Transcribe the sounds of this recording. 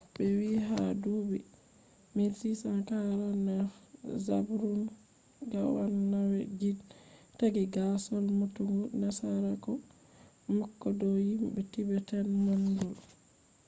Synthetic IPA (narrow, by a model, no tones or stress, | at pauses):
bɛwiɦadubi | misisankaɾanaza̰bɾun | ɡawanːawɛɡidtaɡiɡasɔlmutuŋɡunasaɾakɔ | mɔkːɔdɔjimɓɛtibɛtanmanɡɔl